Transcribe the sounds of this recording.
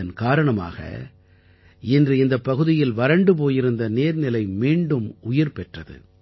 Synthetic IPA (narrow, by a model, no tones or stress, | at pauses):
ɐnkaːɾɐɳɐma̰ːɣɐ̰ | ɪndrɯɪnd̪ɐpːɐɣɯðɪjɪlʋɐɾɐɳɖɯp̬oːjɪɾɯnd̪ɐneːɾnɪlɐɪmiːɳɖɯmʊjɪɾpɛʈrɐðɯ̰